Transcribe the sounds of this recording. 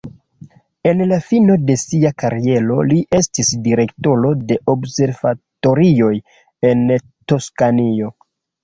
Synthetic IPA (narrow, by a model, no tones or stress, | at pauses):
e̞nlafino̞de̞siakaɾie̞lo̞̰liʔe̞stisdiɾe̞kto̞ɾo̞de̞ʔo̞bse̞ɾv̥ato̞ɾio̞j | e̞n | to̞skanio̞